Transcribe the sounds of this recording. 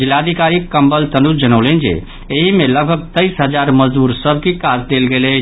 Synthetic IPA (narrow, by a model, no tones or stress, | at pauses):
d͡ʒɪlad̪ʱikaɾikːəmbəlt̪ənud͡ʒənəʊlend͡ʒḛ | eɦimeləɡ̚bʱəɡ̚t̪əɪsɦəd͡ʒaɾməd͡ʒd̪uɾsəbʱkikad͡ʒd̪elɡele